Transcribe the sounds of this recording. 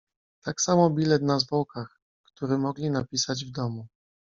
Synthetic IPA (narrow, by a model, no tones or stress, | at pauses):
t̪aksamɔbʲilɛt̪nazvɔwkax | kt̪uɾɘmɔɡlʲinapʲisad͡ʑvd̪ɔmu